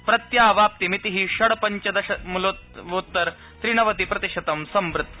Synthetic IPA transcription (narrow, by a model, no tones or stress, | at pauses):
pɾɐt̪jaːʋaːp̚t̪imit̪iɦiɕɐɽpɐɲt͡ɕɐd̪ɐɕɐmuloʋot̪ːɐɾ | t̪ɾiɳɐʋɐt̪ipɾɐt̪iʂɐt̪ɐmsɐmbɾɨt̪